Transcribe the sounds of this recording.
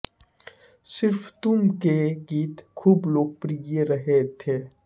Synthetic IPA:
sɪɾft̪ʊmkeɡiːt̪kʰuːbloːɡ̚pɾijeɾəɦet̪ʰeː

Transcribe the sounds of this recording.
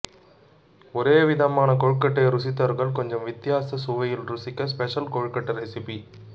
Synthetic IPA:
ɔɾeːʋɪðɐmaːnɐkɔɻkːɐʈːɐɪɾʊsɪt̪ːɐɾɣɐɭkɔɲd͡ʒɐmʋɪt̪ːjaːsɐsʊʋɐjɪlɾʊsɪkːɐspɛʂɐlkoɻkɐʈːɐɾɛsɪpi

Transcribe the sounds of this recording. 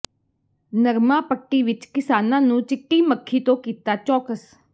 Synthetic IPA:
nəɾmãːpəʈːiːʋɪt͡ʃkɪsaːnãːnũːt͡ʃɪʈːiːməkʰːiːt̪õːkiːt̪aːt͡ʃɔːkəs

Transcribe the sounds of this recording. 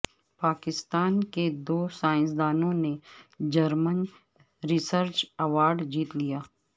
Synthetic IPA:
paːkɪst̪aːnked̪oːsaːɪ̃ns̬d̪aːnõned͡ʒɐɾmən | ɾɪsəɾt͡ʃɐʋaːɾɖd͡ʒiːt̪lijaː

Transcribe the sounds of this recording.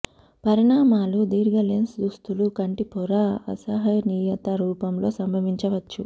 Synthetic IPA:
pɐɾiɳaːmaːlud̪iːɾɡɐlensd̪ust̪ulukɐɳʈipʰɔɾaɐ̰sɐɦɐniːjɐt̪ɐɾuːpɐmlo̞ːsɐmbʱɐʋiɲt͡ʃɐʋɐt͡ʃːu

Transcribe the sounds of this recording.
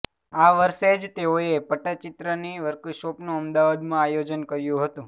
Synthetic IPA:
aʋəɾʃed͡ʒt̪eoepəʈət͡ʃɪt̪ɾəniʋəɾkuʃopnũəmd̪aʋad̪mãajod͡ʒənkəɾjũɦət̪ũ

